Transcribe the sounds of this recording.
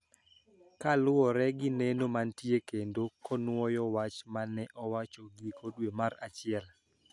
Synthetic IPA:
kalʊɔɾɛɡɪnenomantjekendokɔnʊwɔjɔwat͡ʃmanɛʔɔwat͡ʃoɡikʰodwemaɾat͡ʃɪɛl

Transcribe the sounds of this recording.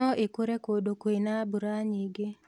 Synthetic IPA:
ɔʔekuɾekodokwenabuɾaɲiɡe

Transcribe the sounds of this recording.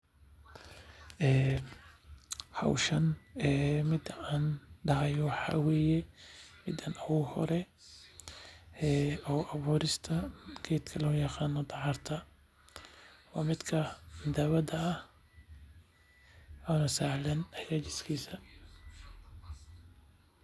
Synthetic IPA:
ʔɛː | hɐ̰wʃɐnɛːmɪd̪aːnɖɑʕɛjɔwħɑ̰ːwɛːjɛmɪd̪ɐnɐwuhɔ̰ɾɛ | ɛːɔːʔɐβuːɾɪst̪ʰɐɡʰɛːd̪kʰɐlʊjɑqɑːnːɔt̪ɑʕɑrt̪ʰɐ | ɔ̰ːmɪd̪kʰɐmd̪aβɐd̪ɐːh | ʔɔnɐsaʕlɐnɐħɾaːt͡ʃɪskʰiːsɐ

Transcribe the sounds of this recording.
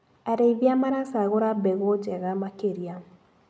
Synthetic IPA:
aɾeiβjamaɾasaɣoɾabɛɣod͡ʒɛɣamakeɾia

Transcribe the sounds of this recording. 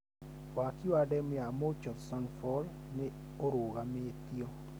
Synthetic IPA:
wakiwadɛmjamot͡ʃɔtsanfɔl | ne | oɾoɣamet̪io

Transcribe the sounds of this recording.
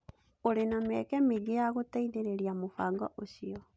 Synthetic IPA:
oɾenamɛkɛmeɣejaɣotaiðeɾeɾiamofaːŋɡɔ̰ʔoɕiɔ

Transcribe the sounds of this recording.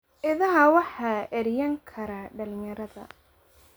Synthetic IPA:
ʔɪðɐɦɐwɑħɑʔɛɾjɐŋkʰɐɾaɖɐlɪjɐɾɐðɐ̰

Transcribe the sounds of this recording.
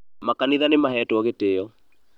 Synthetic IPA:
makaniðanemaɦɛtwɔɣeteɔ

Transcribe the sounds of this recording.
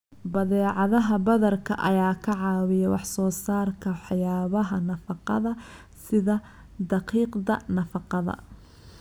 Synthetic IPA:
bɐðɛːʕɑðɐɦɐbɐðɐrkʰɐʔɐjaːkʰɐʕɑːwɪjɐwɑħsɔːsaːrkʰɐħjaːβɐɦɐnɐfɑqɑ̰ðɐ | sɪðɐ | d̪ɑqiːqd̪ɐnɐfɑqɑðɐ̰

